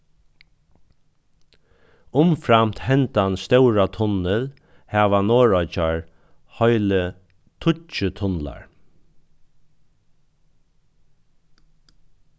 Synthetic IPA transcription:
ʊmfɾamt̪hɛnt̪anst̪ɛwɹat̪ʰʊnːəl | hæːʋanoːɹɔjt͡ʃaɹ | hɔʏlə | t̪ʰʊt͡ʃət̪ʰʊnla̰ɹ

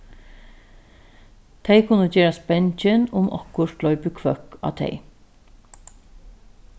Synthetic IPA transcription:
t̪ʰeɪkʰʊnəd͡ʒeːɾɑspɛnt͡ʃənʊmɔ̰kʊʃlɔʏpəkʰʋœkɑ̰ːt̪ʰḛɪ

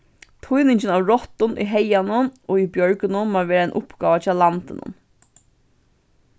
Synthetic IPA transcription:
t̪ʰʊjnɪɲt͡ʃɪnaːʋɹɔt̪ʊnʔḭɦɛjanʊnoːibjœɹkʏnʊnmaːɾʋɛːɾaɛnʔʊpɡ̥aːʋat͡ʃʰɑːlant̪ɪ̰nʊ̰n

